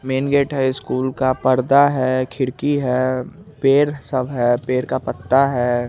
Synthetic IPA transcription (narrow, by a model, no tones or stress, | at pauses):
meːnɡeːʈɦɛɪskuːlkapɐɾd̪aɦɛkʰɪɽkiɦɛ | peːɾsɐbʱɦɛpeːɾkapɐt̪ːaɦɛː